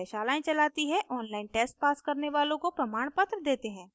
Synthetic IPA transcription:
ɛʃaːlaːẽt͡ʃɐlaːt̪iɦɛ̃ʔɔːnlaːɪnʈeːsʈ̚paːskɐɾneʋaːlõkopɾɐmaːɽ̃pət̪ɾəd̪eːt̪eɦɛ̃ː

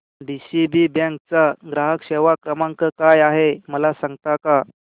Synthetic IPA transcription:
ɖisibibãŋk̚t͡saɡɾaɦəkɕeʋakɾəmãŋkəkajaɦeməlasãŋɡt̪aka

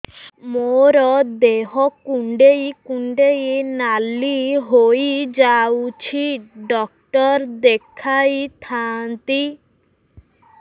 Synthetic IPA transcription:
moɾɔd̪eɦɔkuɳɖejkuɳɖejnaliɦojd͡ʒawt͡ʃʰiɖɔk̚ʈɔɾd̪ekʰajt̪ʰant̪i

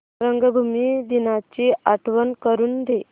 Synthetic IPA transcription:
ɾəŋɡəbʱumid̪inat͡ɕiaʈʰʋənkəɾuːnd̪e

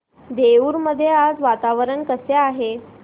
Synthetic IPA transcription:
d̪euːɾməd̪ʱːjead͡zʋat̪aʋəɾəɳkəseaɦe

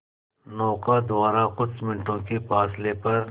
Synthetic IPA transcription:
nɔːqad̪waːɾakʊsmɪ̃ɳʈʰõːkifaːslepɐɾ

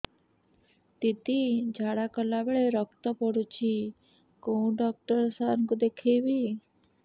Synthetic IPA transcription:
t̪it̪id͡ʒʱaɽakəlabeɭeɾɔkʰt̪ɔpɔɽũt͡ʃʰi | koũɖɔk̚ʈəɾsaɾkũd̪ekʰeʋi

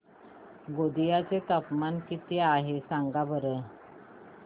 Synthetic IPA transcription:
ɡod̪ijat͡set̪əpmankit̪eaɦesaŋɡabəɾə

